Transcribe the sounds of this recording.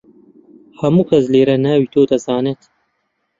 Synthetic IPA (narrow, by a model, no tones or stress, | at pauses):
hɐmuːkʰɐsleːɾɐnaːwit̪oːt̪ɐzɑːnet̪